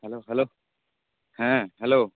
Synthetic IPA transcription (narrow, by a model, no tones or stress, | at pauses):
hɛloːɦɛlo | hɛ̃ɦɛloː